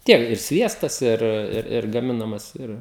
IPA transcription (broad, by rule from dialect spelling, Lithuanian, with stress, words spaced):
ˈtʲiɛk ɪr ˈsʲʋʲiɛstɐs ˈɪr ˈɪr ɪr ɡɐˈmʲɪnɐmɐs ˈɪr